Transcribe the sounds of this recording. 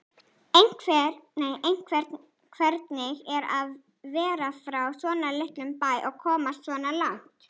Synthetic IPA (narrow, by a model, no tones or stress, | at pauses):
ejn̥kʰvɛnejejn̥kʰvɛɾ | kʰvɛɾt̪nɪɣɛɾað | vɛːɾafɾawsɔːnalɪht̪lʏmpaːjʔɔɣkʰɔːmassvɔːnalawŋ̥t̪